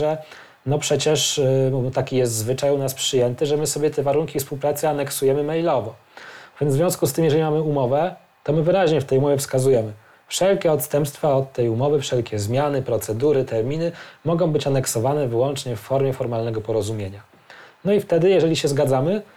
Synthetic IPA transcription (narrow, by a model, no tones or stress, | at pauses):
ʐɛ | nɔpʂɛt͡ɕɛʂt̪akʲijɛs̬t̪zvɘt͡ʂajunaspʂɘjɛnt̪ɘʐɛmɘsɔbʲjɛt̪ʰɛvaɾuŋkʲifspuwpɾat̪sɛanɛksujɛmɘmɛjlɔvɔ | vʲjɛnzvʲjɔ̃w̃skust̪ɘmjɛʐɛlimamɘumɔvɛ | t̪ɔmɘvɘɾaʑɲɛft̪ɛjumɔvʲjɛfskazujɛmɘ | fʂɛlkʲɛɔt̪st̪ɛmpst̪faɔt̪ːɛjumɔvɘfʂɛlkʲɛzmʲjanɘpɾɔt̪sɛd̪uɾɘt̪ɛɾmʲinɘmɔɡɔ̃w̃bɘt͡ɕanɛksɔvanɛvɘwɔnt͡ʂɲɛfːɔɾmʲjɛfɔɾmalnɛɡɔpɔɾɔzumʲjeɲa | nɔift̪ɛd̪ɘjɛʐɛlʲiɕɛzɡad̪zamɘ